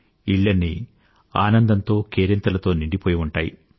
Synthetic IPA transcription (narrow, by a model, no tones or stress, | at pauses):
iɭːɐnːi | aːnɐnd̪ɐnt̪o̞ːkeːɾent̪ɐlɐt̪o̞ːniɳɖipoːjiuɳʈaːjḭ